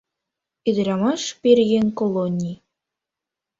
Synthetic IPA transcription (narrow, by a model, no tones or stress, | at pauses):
id̪ɘ̆ɾʲɑmɑʃpʲerʲɣenʲkolˠonʲːij